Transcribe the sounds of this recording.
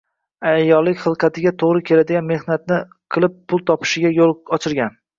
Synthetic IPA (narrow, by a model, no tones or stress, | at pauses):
ajːɒlːɪkʲχɨlˠqʰɑt̪ʰɪɡʲat̪ʰoʁɾɪkʲʰe̞lad̪ɪɡʲanme̞hnat̪̚nɪ | qʰɨlˠɪp̚ːʰʊlˠt̪ʰɒpɪ̥ʃɪɡʲajolˠɒt͡ʃʰɪɾɡʲan